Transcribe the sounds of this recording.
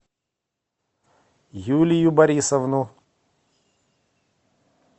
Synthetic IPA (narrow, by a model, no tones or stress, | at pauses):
juːlʲijubɐɾʲisɐvnu